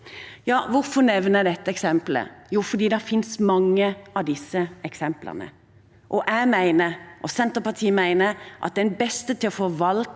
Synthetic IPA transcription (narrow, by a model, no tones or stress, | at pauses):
jɑːʋʊɾfɔnɛʋnəd̪ɛt̪ːəɛksɛmplə̰juːfɔd̪iːd̪ɛfɪnsmɑŋːəʔɑʋd̪ɪsːəɛksɛmplə̰ʁnə̰ | ʔɔʔæmæɪnəɾʔɔsɛnt̪əpɑt̪ʰiːmæɪnəɾʔɑ̰t̪̚d̪ɛnbɛst̪ət̪ʰɪlɔfɔʋɑlt̪